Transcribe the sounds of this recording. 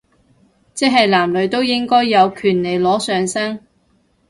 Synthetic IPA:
t͡sɛː˥ɦɐ˨jlaː˨˩mlɵ˨˧ɥt̪o˥wjɪ˥ŋkɔː˥jːɐ˨˧wkʰyː˨˩nle˨˩jlɔː˨˥sœː˨ŋsɐ˥ŋ

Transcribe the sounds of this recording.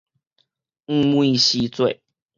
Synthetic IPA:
ŋ̩˥˦mu˥˦i˧ɕi˦t͡swe˥˨ɪ

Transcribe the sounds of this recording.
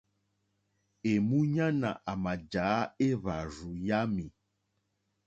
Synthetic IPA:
e˨mu˦ɲã˦na̰˨ʔa˨ma˨d͡ʒaː˨˦e˦βa˨zu˨ja˦mi˨

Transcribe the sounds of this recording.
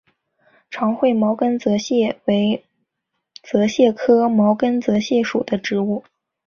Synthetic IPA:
ʈ͡ʂʰɑ˧˥ŋxwe˥˩ɪmɑ˧˥ʊkə˥nt͡sɤ˧˥ɕjɛ˥˩we˧˥ɪ | t͡sɤ˧˥ɕjɛ˥˩kʰɤ˥mɑ˧˥ʊkə˥nt͡sɤ˧˥ɕjɛ˥˩ʂu˨˩d̪ə˦ʈ͡ʂɻ̩˧˥u˥˩

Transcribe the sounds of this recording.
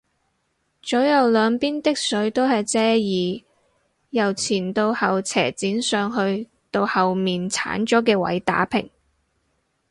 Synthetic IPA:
t͡sɔ˨˥jɐ˨wlœː˨˧ŋpiː˥nt̪ɪ˥k̚sɵ˨˥ɥt̪o˥whɐ˨jt͡sɛː˥jiː˨˧ | jɐ˨˩wt͡sʰiː˨˩nt̪o˧whɐ˨wt͡sʰɛː˨˩t͡siː˨˥nsœː˨ŋɦɵ˧ɥ | t̪o˧whɐ˨wmiː˨nt͡sʰa̰ː˨˥nt͡ʃɔː˨˥kɛː˧wɐ̰˨˥jt̪a̰ː˨˥pʰɪ̰˨˩ŋ

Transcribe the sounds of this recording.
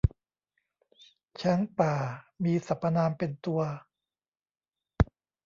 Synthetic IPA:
t͡ɕʰɛ˦˥ŋpaː˨˩miː˧sa˨˩pːa˧naː˧mpe˧nt̪u˧ɐ

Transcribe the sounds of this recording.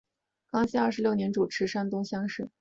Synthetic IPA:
kɑ˥ŋɕi˥ɐ˞˥˩ʂɻ̩˧˥ljo˥˩ʊnjɛ˧˥nʈ͡ʂu˨˩ʈ͡ʂʰɻ̩˧˥ʂa˥nt̪ʊ˥ŋɕjɑ˥ŋʂɻ̩˥˩

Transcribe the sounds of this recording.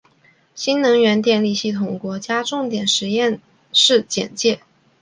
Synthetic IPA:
ɕi˥nnɤ˧˥ŋɥɛ˧˥nt̪jɛ˥˧nli˥˧ɕi˥˩t̪ʰʊ˧˩ŋkwɔ˧˥t͡ɕja˥ʈ͡ʂʊ˥˩ŋt̪jɛ˨˩nʂɻ̩˧˥jɛ˥˧n | ʂɻ̩˥˩t͡ɕjɛ̰˨˩nt͡ɕjɛ˥˩

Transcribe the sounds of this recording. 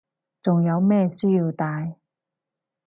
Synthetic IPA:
t͡sʊ˨ŋjɐ˨˧wmɛː˥˧syː˥ji˧wt̪aː˧j

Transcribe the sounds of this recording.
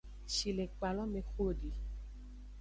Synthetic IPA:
ʃi˨le˨k͡pa˨lɔ˦mẽ˧xo˦˨di˨

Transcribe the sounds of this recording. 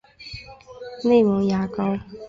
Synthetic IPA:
ne˥˩ɪwɔ˨˦ŋja˨˦ka˦ʊ

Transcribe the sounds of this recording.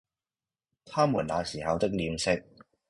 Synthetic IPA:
t̪ʰaː˥muː˨˩nlaː˨˧siː˨˩hɐ˨wt̪ɪ˥k̚liː˨˧msɪ˥k̚

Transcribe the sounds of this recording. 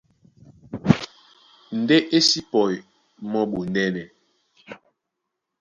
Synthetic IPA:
n̩˨de˦ʔe˦si˦pɔ˨j | mɔ˦ɓu˨n˨dɛ˦nɛ˨

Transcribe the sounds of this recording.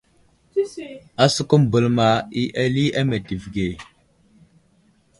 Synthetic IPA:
a˦su˦ku˦m˨bə˨lma˨i˦ʔa˦li˦ʔa˦me˨di˨vɡe˨

